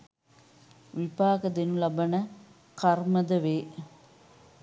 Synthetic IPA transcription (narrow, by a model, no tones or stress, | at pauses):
ʋipaːkɐd̪enulɐbɐnɐ | kɐrmɐd̪ɐʋeː